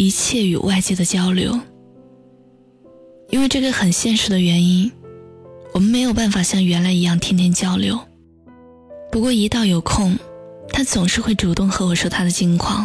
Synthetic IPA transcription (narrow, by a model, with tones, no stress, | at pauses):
i˧˥t͡ɕʰjɛ˥˩y̰˨˩wʔa˥˧ɪt͡ɕjɛ˥˩d̪ə˩t͡ɕjɑ˥ʊljo̰˧˥ʊ | i˥nwe˥˧ɪʈ͡ʂɤ˥˩ɡə˧˩xə˨˩nɕjɛ˥˩nʂɻ̩˧˥d̪ə˧ɥɛ˧˥ni˥n | wɔ˨˩mə˦nme˧˥ɪjo˨˩ʊpa˥˩nfa˨˩ɕjɑ˥˩ŋɥɛ˧˥nla˧˥ɪi˧˥jɑ˥˩ŋt̪ʰi˥ŋt̪ʰjɛ˥nt͡ɕjɑ˥ʊljo˧˥ʊ | pu˧˥kwɔ˥˩i˧˥t̪ɑ˥˩ʊjo˨˩ʊkʰʊ˥˩ŋt̪ʰa˥t͡sʊ˨˩ŋʂɻ̩˥˧xwe˥˩ɪʈ͡ʂu˨˩t̪ʊ˥˩ŋxɤ˧˥wɔ˨˩ʂ̩˥˩t̪ʰa˥d̪ə˨t͡ɕi˧˥ŋkʰwɑ̰˥˩ŋ